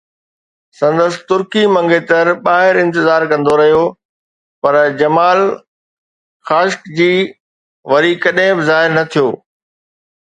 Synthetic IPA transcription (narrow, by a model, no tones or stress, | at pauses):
sɐ̃nd̪əsɪ̥̆t̪ʊɾkimɐ̃ŋɡet̪ɐɾɓaːɦɪɾɪ̃nt̪ɪzaːɾkɐ̃nd̪oɾɐɦijo | pɐɾd͡ʑɐmaːl | xaːʃkd͡ʑiː | ʋɐɾikɐɗɪ̃bɪzaːɦɪɾnɐt̪ʰijoː